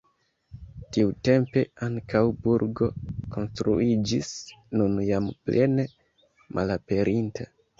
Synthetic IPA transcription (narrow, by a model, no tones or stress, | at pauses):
tiute̞mpe̞aŋkawbuɾɡo̞ko̞nstɾuid͡ʒisnunjamplʔe̞ne̞ | mʔalape̞ɾʔinta